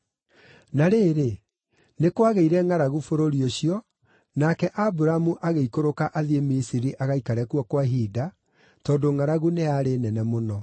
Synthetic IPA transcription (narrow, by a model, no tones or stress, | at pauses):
naɾeːɾe | nekwaɣeiɾɛŋaɾaɣufoɾoɾioɕiɔ | nakɛʔabuɾamuʔaɣeikoɾokaʔaðiemisiɾiʔaɣaikaɾɛkuwɔkwaɦida | tɔːndoŋaɾaɣuneaɾenɛnɛmonɔ